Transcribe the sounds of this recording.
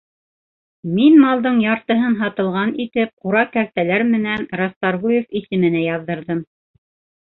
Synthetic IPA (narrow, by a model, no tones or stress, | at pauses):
minmɑlˠd̪ɤɴjɑɾt̪ɤ̆ɦɤnɦɑt̪ɤ̆lˠʁɑnit̪ɘp̚quɾɑkæɾt̪ælæɾmɘ̆nænɾɑst̪ɑɾʁujefisɘ̆mɘ̆næjɑðːɤ̆ɾðɤm